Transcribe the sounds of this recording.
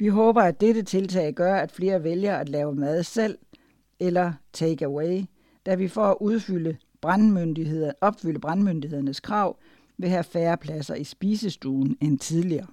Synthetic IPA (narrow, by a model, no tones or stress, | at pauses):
ʋiɦɔːb̥ɐæd̥eɾət͡sʰe̝lt͡sʰɛ̰ɪɡ̥ɶɐæd̥fle̝ːɐʋeljɐæd̥lɛːʊəmæð̞ˠsel̰ | elɐt͡sʰeɡ̥æweɪ | d̥æʋifɒæʔuð̞ˠfylə | b̥ʁanmønd̥ieðˠɐɒ̽b̥fyl̰əb̥ʁɑnmønd̥ihe̝ðˠɐnəskʰʁɑ̈ʊ̰ | ʋe̝ɦæfæːɐpʰlæsɐʔisb̥iːsəsd̥ṵːn̩ent͡sʰið̞ˠliɐː